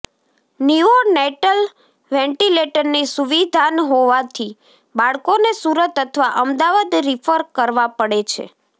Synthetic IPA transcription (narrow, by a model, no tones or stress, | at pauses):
nioneʈəl | ʋɛ̃ɳʈileʈəɾnisuʋid̪ʱanɦoʋat̪ʰi | baɭkonesuɾət̪ət̪ʰəʋaʔəmd̪aʋad̪ɾifʰəɾkəɾʋapəɽet͡ʃʰḛ